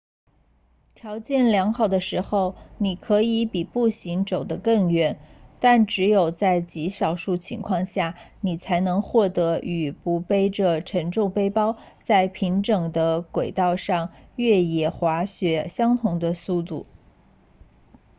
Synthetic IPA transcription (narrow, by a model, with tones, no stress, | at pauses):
t̪ʰjɑ˧˥ʊt͡ɕjɛ˥˩nljɑ˧˥ŋxɑ˥˩ʊd̪ə˦ʂɻ̩˧˥xo˥˧ʊni˨˩kʰɤ˧˥i˧˥pi˨˩pu˥˩ɕi˧˥ŋʈ͡ʂo˨˩ʊd̪ə˦kɤ˥˩ŋɥɛ˧˥˩nt̪a˥˩nʈ͡ʂɻ̩˧˥jo˨˩ʊt͡sa˥˩ɪt͡ɕi˧˥ʂɑ˨˩ʊʂu˥˩t͡ɕʰḭ˧˥ŋkʰwɑ˥˧ŋɕja˥˩ | ni˨˩t͡sʰa˧˥ɪnɤ˧˥ŋxwɔ˥˩t̪ɤ˧˥y˨˩pu˧˥pe˥ɪʈ͡ʂə˧ʈ͡ʂʰə˧˥ŋʈ͡ʂʊ˥˩ŋpe˥ɪpɑ˥ʊ | t͡sa˥˩ɪpʰi˧˥ŋʈ͡ʂɤ˨˩ŋd̪ə˦kwe˨˩ɪt̪ɑ˥˧ʊʂɑ˥˧ŋɥɛ˥˩jɛ˨˩xwa˧˥ɕɥɛ˧˥ɕjɑ˥ŋt̪ʰʊ˧˥ŋd̪ə˧su˥˧t̪u˥˩